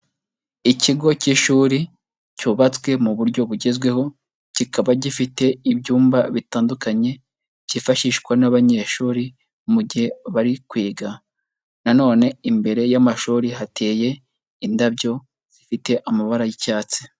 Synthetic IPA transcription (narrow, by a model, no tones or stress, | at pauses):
iciɡo̞ciʃuːɾi | cuβat͡swe̞muβuɾɟo̞βuɟe̞zɡwe̞ho̞ | cikaβaɟifite̞ibɟuːmbaβitaːndukaɲe̞ | ɟifaʃiʃkwanaβaɲe̞ːʃuːɾi | muɟihe̞βaɾikwiːɡa | nano̞ːne̞imbe̞ɾe̞jamaʃuːɾiɦatʰe̞ːje̞ | indabjo̞ | z̥ifite̞ʔamaβaɾajicaːt͡se̥